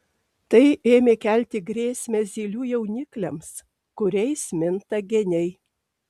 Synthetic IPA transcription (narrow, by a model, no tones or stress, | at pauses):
t̪ɐɪeːmʲeːkʲæˑlʲt̪ʲɪɡɾʲeːsʲmʲɛzʲiːlʲuːjɛʊnʲɪklʲɛms | kʊɾʲɛɪsʲmʲɪnt̪ɐɡʲɛnʲɛɪ